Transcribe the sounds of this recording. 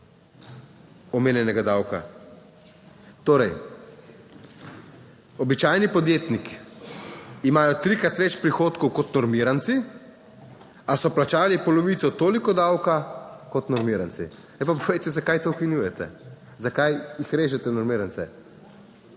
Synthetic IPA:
ɔmeːnjɛnɛɡad̪awka̰ | t̪oːɾɛj | ɔbit͡ʃaːjnipɔd̪jeːt̪nik | imaːjɔt̪ɾikɾat̪ʋɛt͡ʃpɾixoːt̪kɔwkɔt̪nɔɾmiɾant̪si | asɔplat͡ʃaːlipɔlɔʋiːt̪sɔt̪oːlikɔd̪awkakɔt̪nɔɾmiɾant̪sḭ | ajpapoʋejt̪ɛzakajt̪oukinjuːjɛt̪ɛ | zakajjixɾeːʒɛt̪ɛnɔɾmiːɾant̪sɛ

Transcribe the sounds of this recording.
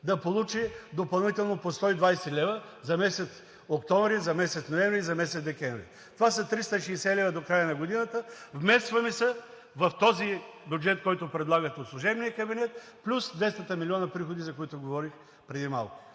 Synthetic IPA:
d̪ɐpolˠut͡ʃid̪opɐlˠnit̪ɛlˠnopost̪ɔid̪vajsɛlʲɛvə | zɐmɛsɛt̪s | okt̪ɔɱvɾizɐmɛsɛt̪snoɛmvɾizɐmɛsɛt̪d̪ɛkʲɛ̃ɱvɾḭ | t̪ovasɐt̪ɾist̪əʃɛsɛlɛvɐd̪okɾajənɐɡod̪inət̪əvmɛst̪vɐmisɛ | vɐft̪ɔzibʲjud͡ʒɛt̪kɔjt̪ʊpɾɛd̪lˠaɡət̪ɛotslˠuʒɛbnijəkɐbinɛt̪̚ | plʲusd̪vɛst̪ət̪əmiliɔnɐpɾixod̪izɐkoit̪ʊɡovɔɾix | pɾɛd̪ima̰lˠkʊ̥

